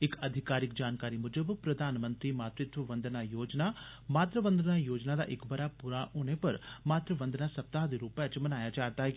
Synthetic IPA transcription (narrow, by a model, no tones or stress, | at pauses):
ɪkəd̪ʱɪkaːɾɪkd͡ʒaːnkaːɾimʊd͡ʒəbpɾəd̪ʱaːnmə̃nt̪ɾiːmaːt̪ɾɪt̪ʋəʋə̃nd̪ənajoːd͡ʒnaː | maːt̪ɾəʋə̃nd̪ənaːjoːd͡ʒnaːd̪a̰ːʔɪkbəɾaːpuɾaɦoːnepɐɾmaːt̪ɾəʋə̃nd̪nasɐp̚t̪aːɦd̪eɾuːpɛt͡ʃmɐnaːjat͡ʃaːɾt̪aːɦɛ